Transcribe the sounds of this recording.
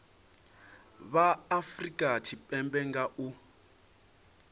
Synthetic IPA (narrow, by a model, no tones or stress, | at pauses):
βaːfrikʼatʰipʼɛmbɛŋɡaʔu